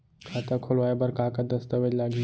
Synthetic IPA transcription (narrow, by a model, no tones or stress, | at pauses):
kʰat̪akʰolʋajbəɾkakad̪əst̪əʋed͡ʒlaɡi